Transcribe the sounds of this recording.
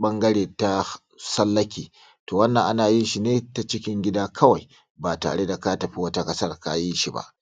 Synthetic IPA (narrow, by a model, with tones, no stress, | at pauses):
ɓɐ˦ŋɡɐ˦ɽeː˨ta˦ | sɐ˦lːɐ˦kʲiː˨ | toː˨wɐ˦nːɐ˨ŋʔa˦naː˨ji˦ʃi˨neː˦ta˦t͡ʃɪ˦kʲɪ˦ŋɡʲɪ˦daː˦kʰɐ˦wa˨j | baː˨ta̰ː˨ɽe˦da˨ka˦tɐ˨ɸi˦wɐ˦ta˦kʼɐ˦sɐ˦rka˦ji˦ʃi˨ba̰˦˨ʔ